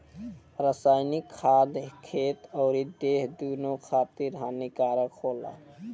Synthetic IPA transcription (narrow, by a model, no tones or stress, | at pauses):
ɾəsaːɪnikʰːaːd̪kʰet̪ɔʊɾid̪eɦd̪unokʰaːt̪iɾɦanikaɾəkʰoːla̰